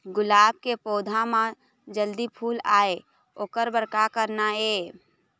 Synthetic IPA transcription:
ɡʊlaːb̚kepoːd̪ʱãmã | d͡ʒəld̪ipʰuːlaːe | oːkəɾbəɾkakəɾnaeː

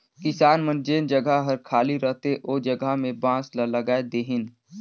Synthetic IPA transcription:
kɪsaːnmənd͡ʒeːnd͡ʒəɡəɦɦəɾkʰaːliɾəɦt̪eʔoːd͡ʒəɡaɦmẽbãːslələɡaːed̪eːɦɪn

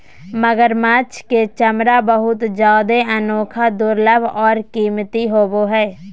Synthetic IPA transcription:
məɡəɾmaːt͡ʃket͡ʃəmɾabəɦʊt̪d͡ʒjaːd̪eənoːkʰad̪ʊɾləbʱɔːɾkiːmt̪iɦoːboɦɛː

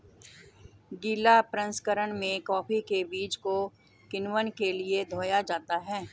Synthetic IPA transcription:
ɡiːlapɾə̃nskəɾəɽ̃mẽkɔːpikebiːt͡ʃko | kɪnwənkelied̪ʱoːjad͡ʒaːt̪aɦɛː

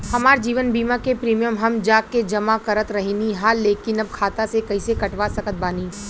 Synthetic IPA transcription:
hɐmaːɾd͡ʒiːʋənbiːmakepɾiːmijəmɦɐmd͡ʒaːkːed͡ʒɐmakɐɾət̪ɾɐɦiniɦaːlːeːkɪnɐb̚kʰaːt̪asekɐisekɐʈʋasɐkət̪̚baːniː

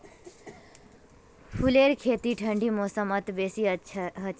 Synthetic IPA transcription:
fʰuleːɾkʰeːt̪iʈʰɐɳɖimoːsəmɐt̪beːsiɦɐ

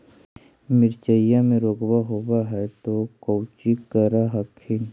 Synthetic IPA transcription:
mɪɾt͡ʃəjamẽɾoːɡbaɦobaɦɛt̪okowt͡ʃikəɾaɦɐkʰin

